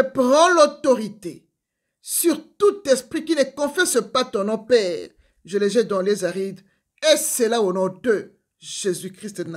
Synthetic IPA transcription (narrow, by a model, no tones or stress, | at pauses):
əpʁɑ̃lot̪oʁit̪e | syʁt̪ut̪ɛspχikinəkɔ̃fɛsəpat̪ɔ̃nɔ̃pɛːʁ | ʒəleʒɛd̪ɑ̃lezaʁit̪ | esɛlaonɔ̃d̪ə | ʒ̥ezykχist̪n